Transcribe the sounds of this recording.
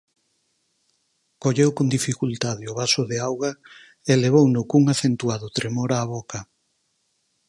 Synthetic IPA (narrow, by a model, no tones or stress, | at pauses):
koʎewkond̪ifikult̪aðɪʊβasʊðeawɣa | eleβ̞ownʊkuŋaθent̪uaðʊt̪ɾemoɾaːβokɐ